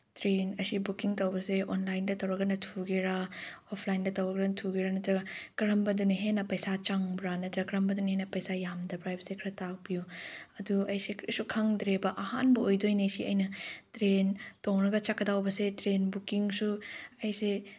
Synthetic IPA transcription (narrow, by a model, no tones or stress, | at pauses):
tɾenɐsibukiŋtɐwbɐseonlajndɐtɐwɾɐɡɐnɐtʰuɡeɾaopʰlajndɐtɐwɾɐɡɐnɐtʰuɡeɾanɐtɾɐɡɐkɐɾɐmbɐdunɦenɐpɐjsat͡ʃaŋbɾanɐtɾɐkɾɐmbɐdunhenɐpɐjsajamdɐbɾajbsekʰɾɐtak̚bijuɐduɐjsekʰɾisukʰɐŋdɾebɐʔɐha̰nbɐojdojnesiɐjnɐtɾentoŋɾɐɡɐt͡ʃakːɐdawbɐsetɾenbukiŋsuɐjse